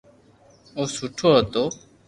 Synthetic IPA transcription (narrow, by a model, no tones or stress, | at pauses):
oːsuʈʰoːɦət̪oː